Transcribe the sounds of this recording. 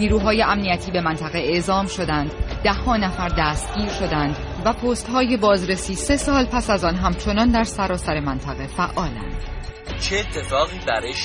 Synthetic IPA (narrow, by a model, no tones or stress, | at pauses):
niːɾuːɦɒːje̞ʔæmnijæt̪ʰiːbe̞mænt̪ʰæɣe̞eʔzɒːmʃo̞d̪ænd̪d̪æhːɒːnæfæɾd̪æːst̪̚ɟiːɾʃo̞d̪ænd̪ | væpʰoːst̪hɒːje̞bɒːzɾe̞siːse̞sɒːlpʰæsæzɒːnɦæmt͡ʃʰo̞nɒːnd̪æɾsæɾɒːsæɾe̞mænt̪ʰæɣe̞fæʔɒːlæ̰nd̪̥ | t͡ʃʰeːt̪ʰːe̞fɒːɣiːbæɾeʃ